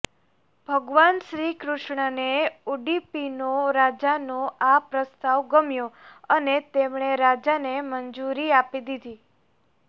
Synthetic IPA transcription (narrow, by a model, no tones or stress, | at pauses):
b̥ʱəɡʋanʃɾikɾʊʃɳəneuɖipinoɾad͡ʒanoapɾəst̪aʋɡəmjoənet̪emɳ̃eɾad͡ʒanemənd͡ʒuɾiapid̪id̪i